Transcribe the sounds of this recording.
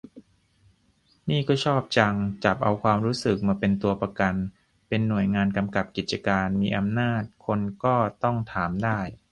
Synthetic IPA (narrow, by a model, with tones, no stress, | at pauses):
niː˥˩kɔː˥˩t͡ɕʰɔː˥˩p̚t͡ɕa˧ŋt͡ɕa˨˩p̚ʔa̰˧wkʰwaː˧mɾuː˦˥sɯ˨˩k̚maː˧pe˧nt̪u˧ɐpɾa˧ka˧n | pe˧nːu˨˩əjŋaː˧nka˧mka˨˩p̚ki˨˩t̪̚t͡ɕa˧kaː˧nmiː˧ʔa˧mnaː˥˩t̪̚kʰo˧nkɔː˥˩t̪ɔ˥˩ŋt̪ʰaː˩˦mdaː˥˩j